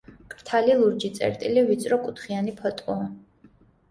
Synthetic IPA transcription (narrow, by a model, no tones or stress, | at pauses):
kʼɾt̪ʰalilˠuɾd͡ʒit̪sʼɛ̰ɾt̪ʼilivit̪sʼɾɔkʼut̪ʰχianipʰɔt̪ʼɔ